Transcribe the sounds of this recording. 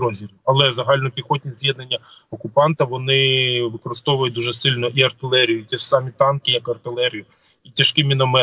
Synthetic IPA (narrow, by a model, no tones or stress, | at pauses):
ɾɔzʲiɾɐlˠɛzɐɦɑlʲnɔpʲixɔtʲnʲizʲjɛd̪nenʲːɐɔkʊpɑnt̪ɐʋɔnɪʋɪkɔɾɪst̪ɔʋʊjʊt̚ʲd̪uʒɛsɪlʲnɔʔiɐrt̪ɪlˠɛɾʲijʊt̪ʲisɑmʲit̪ɑnkɪjɐkɐrt̪ɪlˠɛɾʲijʊ | itʲɐʃkɪmʲinɔmɛ